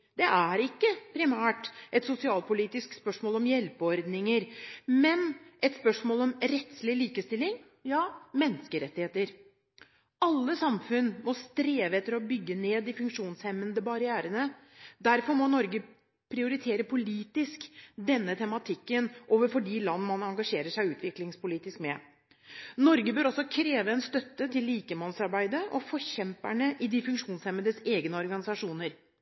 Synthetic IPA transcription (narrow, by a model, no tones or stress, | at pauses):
d̪̥ɛʔæɾɪkːəpʰɾɪmæːʈʔɛt̪sʊsɪɑːlpʊliːt̪ɪskspœʂmoːlɔmjɛlpəɔɾd̪nɪŋəɾmɛnɛt̪spœʂmoːlɔmɾɛt̪slɪliːkəst̪ɪlːɪŋ | jɑːmɛnːəskəɾɛt̪ːɪheːt̪əɾ | ɑlːəsɑmfʉnmɔst̪ɾeːʋəɛt̪ːəɾɔbʏɡːəneːd̪ɪfʉŋkʂuːnshɛmːənd̪əbɑɾɪæːɾənə | d̪æɾfɔɾmɔnɔɾɡə | pʰɾɪʊɾɪt̪ʰeːɾəpʰʊliːt̪ɪskd̪ɛnːət̪ʰɛmɑt̪ʰɪkːənʔoːʋəɾfɔɖiːlɑnːəmɑnɑŋɡɑʂeːɾəʂæɪʉːt̪ʰʋɪklɪŋspʊliːt̪ɪskmɛ | nɔɾɡəbøːɾɔsːɔkʰɾeːʋəɛnst̪œt̪ːət̪ʰɪlːiːkəmɑnsɑɾbæɪd̪əʔɔfɔçɛmpæ̰ɳəʔɪd̪ɪfʉŋkʂuːnshɛmənəseːɡnəɔɾɡɑnɪsɑʂuːnəɾ